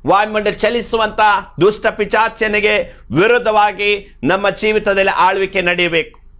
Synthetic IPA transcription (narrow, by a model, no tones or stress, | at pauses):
ʋaːjmɐɳɖɐlt͡ʃɐlisuʋɐnt̪ɐd̪uʂʈɐpit͡ʃaːt͡ʃjɐniɡe | ʋiɾud̪ʱːɐʋaːɡi | nɐmːɐd͡ʒiːʋit̪ɐd̪ɐlːiʔaːɭuʋikːenɐɽɛjɐbeːku̥